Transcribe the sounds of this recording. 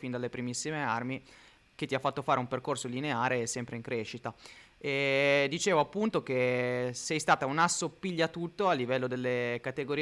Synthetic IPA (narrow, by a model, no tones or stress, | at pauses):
find̪alːepɾimisːimearmi | k̟et̪ːiafːat̪ːofaːɾeumperkorsolineaːɾesɛmpɾeiŋkɾeːʃit̪aɛd̪it͡ʃeːvoapːunt̪ok̟esɛjst̪aːt̪aunasːopːiʎːat̪ut̪ːoalːivɛlːod̪elːekat̪eɡoɾi